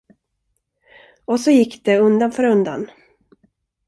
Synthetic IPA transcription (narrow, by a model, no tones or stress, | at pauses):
ɔsɔjɪkːd̪̥ɛɵnd̪anfœːɾɵnd̪a̰n